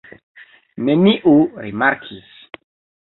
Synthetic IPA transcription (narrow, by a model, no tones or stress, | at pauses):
neniʔuɾimaɾkʰis